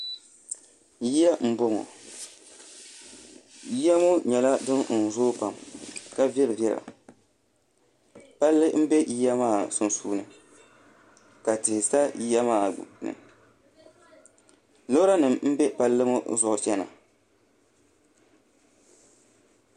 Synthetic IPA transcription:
ji˦ja˦m̩˦bo˦ŋɔ̰˨ | ji˦ja˦mo˦ɲɛ˨la˦dɨ˦nn̩˨zʊː˦pa˨mka˨bɛ˦lɨ˨bjɛ˦ɾa̰˨ | pa˦lːɨ˦m̩˦bɛ˦ji˦ja˦maː˦˨sʊ˨nsuː˦nɨ˨ | ka˨tɪ˨hsa˦ji˦ja˦maː˦˨nɨ̰˨ | lo˦ɾa˦nɨ˨mm̩˦bɛ˦pa˦lːɨ˦mo̰˦zʊ˨ʔʊ˨t͡ʃɛ˦na̰˨

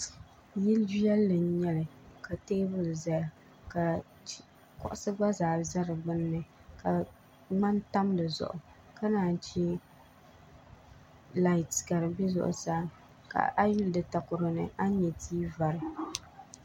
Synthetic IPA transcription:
jɪ˦ld͡ʒi˦jɛ˦lːɨ˨n˦ɲɛ˦lɨ˨ | ka˨teː˦bʊ˨lza˨ja˨ | ka˨˦ | kɔ̰˨ʔʊ˦sɨ˦ɡ͡ba˦zaː˨za˦ɾɨ˨bɨ˦nːɨ˨ | ka˨ | ŋ͡ma˦nta˦mdɨ˨zʊ̰˨ʔʊ˨ | ka˦naː˨n˦˨t͡ʃi˦ | la˦ɪ˨tɡa˨ɾɨ˨bɛ˦zʊ̰˨ʔʊ̰˨saː˦ | ka̰˨ʔa˦ju˦ldɨ˨ta˨kʊ˨ɾɨ˨nɨ̰˨a˦ɲɛ˨tʰiː˦va˨ɾɨ˨

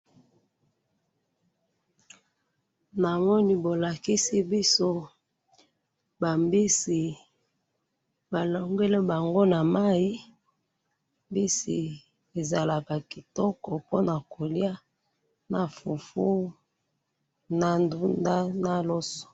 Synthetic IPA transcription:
na˨mɔ˦ni˦bo˨la˨ki˦si˦bi˦so˦ | ba˨mbi˦si˨ | ba˨lo˨ŋɡe˦le˦ba˨ŋɡo˦na˨ma˦i˦ | mbi˦sḭ˨ | e˨za˨la˨ka˨ki˨tɔ˦kɔ˨po˦na˨ko˨li˦a˦ | na˨fu˨fu˦ | na˦ndu˦nda˦na˦lɔ˦sɔ̥˨

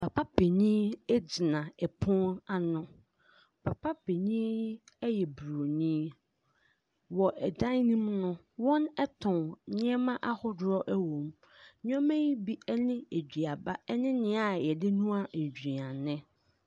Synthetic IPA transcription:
pʰa˨pa˦be˨ɲĩ˦ɛ˦d͡zi˨nã˨ɛ˨pʰʊ̃˦a˨nʊ̃˦ | pʰa˨pʰa˦be˨ɲĩ˦ | ɛ˦jɛ˨bu˨ɾo˨nĩ˦ | wɔ˨ʔɛ˨dã˦nnĩ˦mnʊ̃˦ | wɔ̃˦nɛ˦tʰʊ̃˨nɲɪ̃˦ɛ˦mã˦ʔa˦hʊ˦dɾɔ˦ʔɛ˦wõ˨m | ɲ˦ɔ̃˦mɛ̃˦ji˦bi˦ɛ˦nɪ̃˦e˨d͡ʑᶣi˨a˨ba˦ɛ˦nɪ̃˦nɪ̃˦a˨jɛ˨dɪ˦nũ˦a˦n̩˨d͡ʑᶣi˨ã˨nɪ̃˦

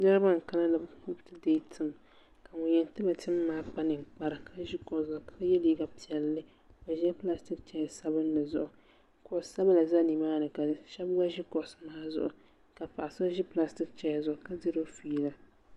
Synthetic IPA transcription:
dɛ˦ɾɨ˦ba˦ŋ̩˨ka˦la˦la˨u˦btɨ˦de˦tʰɨ˦˨m | ka˨ŋʊ˨ɲɛ˨n˨tɨ˦ba˨tɨ˦mː˦aː˦k͡pa˦nɨ˨ŋ͡mk͡pa˦ɾɨ˨kʰa˦ʒɪ˦kɔ˨sʊ˨ka˦jɛ˦li˦ɡa˨pi˨ɛ˨lːɨ˦ | o˨ʒi˦ɛ˦pla˦stɪ˦k̚t͡ʃɛ˦ja˨sa˦bɨ˦n˦lɨ˨zʊ˨ʔʊ˨ | kʊ˨˦sa˦ba˦la˨za˦ni˨maː˦nɨ˨ka˨ʃɛ˦bɡa˦ʒɪ˦kɔ˨smaː˦zʊ̰˨ʔʊ˨ | ka˨fa˨ʔa˨so˦ʒɪ˦pla˦stɪ˦k̚t͡ʃɛ˦ja˨zʊ˨ʔʊ˨ka˦dɪ˦ɾo˦fiː˦la˦

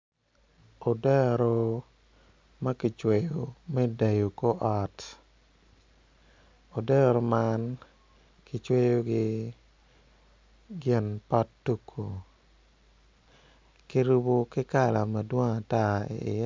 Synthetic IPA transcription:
o˨dɛ˦ɾo˦ | ma˦kɪ˨t͡ʃwe˨jo˨mɛ˦da˨jo˨ko˦ʔɔ˨t | o˨dɛ˦ɾo˨man | kɪ˨t͡ʃwe˦jo˦ɡɪ˦ | ɡɪ˨npa˦tːu˦kʰo˨ | ki˦ɾu˦bo˦kɪ˦ka˦˨la˨ma˨dwɔ˦ŋa˨ta˦ḛ˨ɪ̰˨j

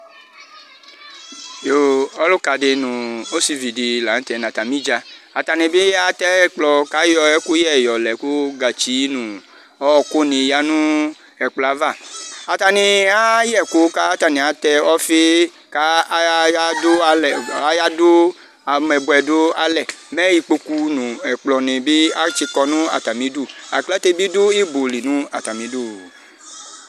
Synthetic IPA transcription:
jo˨ɔ˦lo˦ka˨de˨nũ˨o˦si˨vi˨di˨la˨n̩˦t̪ɛ˨nã˨t̪a˨mĩ˦d͡ʒa˧a˨t̪a˨nẽ˨be˦ja˦t̪ɛ˦k͡plɔ˧ka˦jɔ˨ɛ˦ku˦jɛ˦˨jɔ˨lɛ˨ku˦ɡa˨t͡ʃi˨˦nũ˨ | ɔ˦ɔ˨ko˦nĩ˨ja˦nũ˦ | ɛ˨k͡pla˨˦va˦˨a˨t̪a˨nĩ˨a˦jɛ˦˨ku˨˦ka˦ta˨nĩ˨a˨˦t̪ɛ˧ɔ˦fe˦ | ka˦a˦do˦a˧lɛ˨a˦ja˦do˦ | a˨mɛ˨bo˧ɛ˨do˦a˧lɛ˦˨mɛ˦ji˧k͡po˧ku˧nũ˨ɛ˨k͡plɔ˨nĩ˨bi˦a˦t͡ʃi˧kɔ˧nũ˦a̰˨ta˨mĩ˨˦du˦˨a˨klɛ˦t̪e˧bi˦du˦i˦bo˨li˨nũ˨˦a˨ta˨mĩ˨˦du˦˨

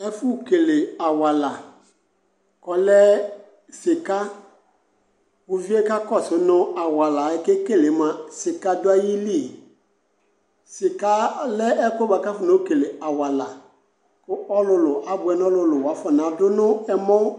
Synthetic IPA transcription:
ɛ˦fʊ˦˨ke˨le˨a˨wa˨la˨ | kɔ˨lɛ˦ | sɪ˨ka˦ | kʊ˨vi˦e˦ka˦kɔ˦˨sʊ˨nʊ˦a˨wa˨la˨ɪ˦ke˦ke˦˨lɪ˨˦ma˨sɪ˨ka˦dʊ˦a˦ji˦li˦˨ | sɪ˨ka˦lɛ˦ɛ˦ko˦ba˨ka˦fʊ˦no˦ke˨le˨a˨wa˨la˨ | kʊ˦ʔɔ˦lʊ˦lʊ˨ʔa˨bʊ˨ɛ˨n˦ɔ˦lʊ˨lʊ˨wa˨˦fɔ˨n˨a˨˦dʊ˦nʊ˦ɛ˦mɔ˦

